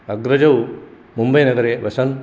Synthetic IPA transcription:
ɐɡɾɐd͡ʒɐw | mumbɐjnɐɡɐɾeʋɐsɐn

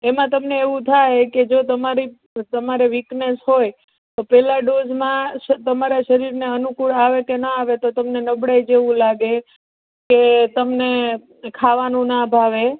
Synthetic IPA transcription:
emãt̪əmneeʋũt̪ʰajked͡ʒot̪əmaɾi | t̪əmaɾeʋiknesɦoj | t̪opɛlaɖod͡ʒmãt̪əmaɾaʃəɾiɾneənukuɭaʋekenaaʋet̪ot̪əmnenəbɽajd͡ʒeʋũlaɡe | ket̪əmne | kʰaʋanũnabʱaʋe

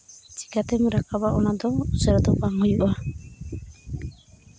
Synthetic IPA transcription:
t͡ʃi̥kat̪ɛmɾakabaʔɔnad̪ɔsɛɾɔd̪ɔpaŋhujuʔa

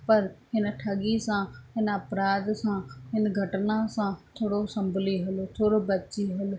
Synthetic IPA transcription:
pəɾɦɪnʈʰəɡiːsãːɦɪnəpɾaːd̪sãːɦɪnɡʱəʈnãːsãːt̪ʰoːɽoːsəmbliːɦʊlt̪ʰoːɽoːbətːt͡ʃiːɦol

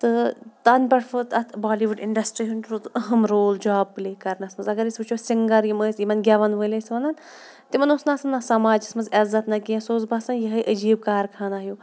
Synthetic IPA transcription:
t̪ɨt̪ɐnpʲɐʈʰfɨt̪ɐt̪ʰbaːliʋuɖɪɳɖɐsʈɾiɦunʈɾut̪ɐɦɐmɾoːld͡ʒaːb̚pleːkɐɾnɐsmɐnzɐɡɐɾisʲbut͡ʃʰosiŋɡɐɾjiməːsʲjimɐnɡʲaʋɐnʋəlɐsʲʋɐnɐn | t̪imɐnosnasɐnːɐsɐmaːd͡ʒɐsmɐnzɐzɐt̪nɐkiɐ̃soːzbɐsɐnjiɦɐjʔəd͡ʒiːb̚kaːɾkʰaːnaɦju

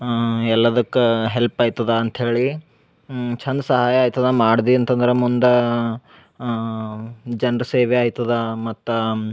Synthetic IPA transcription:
ɛlːɐd̪ɐkːeɦelpaːjt̪ːɐd̪ɐːnt̪ɦe̞ːɭi | t͡ʃʰɐnd̪sɐɦaːjɐaːjt̪ɐd̪ɐmaːɽd̪iɐnt̪ɐnd̪ɐɾemund̪ɐ | d͡ʒɐnɾɐseːʋeaːjt̪ːɐd̪ɐmɐt̪ːu

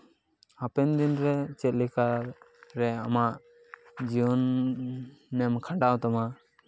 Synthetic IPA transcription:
apɛnd̪inɾɛt͡ʃɛt̪̚lɛka | ɾɛamaʔ | d͡ʒiwɔnː | ɛmkʰaɖawt̪ama

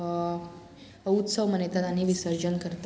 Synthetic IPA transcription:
əut̪səʋmənet̪at̪aniʋisəɾd͡ʑənkəɾt̪a

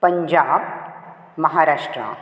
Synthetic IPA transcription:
pɐɲd͡ʒaːb̚ | mɐɦaːɾaːʂʈɾa̰

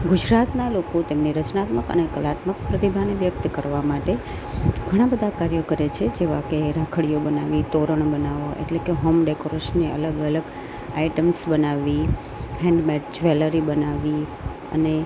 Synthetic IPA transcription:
ɡud͡ʒɾat̪nalokot̪emniɾət͡ʃnat̪məkə̰nekəlat̪mək̚pɾət̪ibʱaneʋjək̚t̪kəɾʋamaʈe | ɡʱəɽ̃ãbəd̪ʱakaɾjəkəɾet͡ʃʰed͡ʒeʋakeɾakʰəɭijobənaʋit̪oɾəɳbənaʋoʔḛʈlekeɦomɖekoɾeʃənːeə̰ləɡələɡ | aiʈəmsbənaʋːi | hɛ̃ɳɖmɛʈd͡ʒʋeləɾibənaʋi | ə̰ne

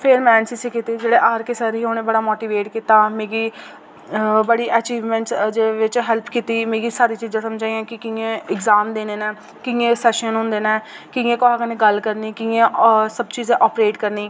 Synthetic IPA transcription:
pʰɪɾmɛːnsɪsiːkit̪iːd͡ʒeːɽeːʔaːɾkesəɾiːoːneːbəɽaːmoːʈiːʋeːʈkit̪aːmeːɡiː | bəɽiːʔəːt͡ʃiːʋmɛ̃ːɳʈd͡ʒeʋɪt͡ʃɦɛlpʰkiːt̪iːmeːɡiːsaːɾiːt͡ʃiːzãːsəmd͡ʒaːiãːkɪkɪẽːɪɡzaːmd̪eːneːnɛː | kɪẽːsɛːʃənɦʊ̃nd̪eːnɛː | kɪẽːkoɦaːkənẽːɡəlkəɾniːkɪẽːsəbt͡ʃiːzẽːʔɔːpɾeːʈkəɾniː

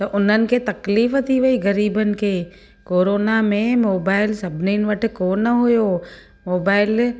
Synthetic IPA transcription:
t̪ɐʔʊn̤ənɪ̆ket̪ɐkliːft̪ʰiʋɐiɣɐɾiːbənɪ̆kʰeː | koːɾoːnamẽmoːbaːɪlsɐbʱɪninɪ̆ʋɐʈʰɪ̆koːnəɦʊjoː | moːbaːɪl

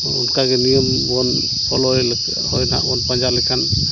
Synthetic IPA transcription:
ṵnkaɡɛnijəm | bɔn | pʰɔlɔjl | hɔjna̰ɔnpand͡ʒalɛkʰan

